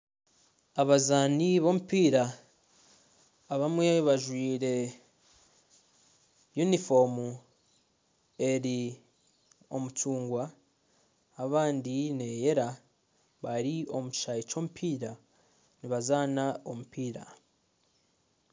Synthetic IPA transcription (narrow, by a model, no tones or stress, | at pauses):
aβazaːniβo̞mupiːɾa | βamwe̞βaʒwiːɾe̞ | junifo̞mu | e̞ɾi | o̞̰mutuːŋɡwa | βaːndine̞je̞ɾa | βaɾio̞muci̥ʃajit͡ʃo̞ːmupʰiːɾa | niβazaːnao̞mupiːɾa̰